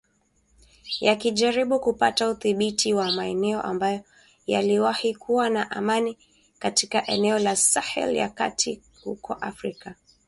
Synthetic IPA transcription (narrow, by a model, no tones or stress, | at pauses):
jakiʄaɾiɓukupatauθiɓitʰiwamaɛnɛɔ̰ʔambajɔ | ja̰liwahikʰuwanaʔamani | katikaʔɛnɛɔlasahɛ̰lja̰ka̰tʰi | hṵkʰɔʔafɾika